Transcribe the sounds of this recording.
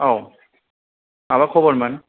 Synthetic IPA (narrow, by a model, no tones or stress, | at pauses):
ɔ | abakʰɔbɔɹman